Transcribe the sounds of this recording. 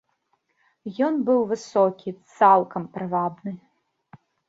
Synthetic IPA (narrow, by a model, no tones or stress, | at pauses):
jɔnbɨwvɨsɔkʲit̪salˠkɐmpɾɨvabnɨ